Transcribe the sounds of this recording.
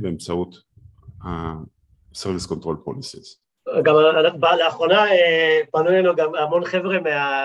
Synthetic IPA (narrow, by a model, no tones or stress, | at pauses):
beɛmt͡saut̪ | ha | sɛʁviskɔ̃nt̪ʁolpʁolisez | ɡamaanabalaːχʁonaepanulenuɡamamonχevʁemea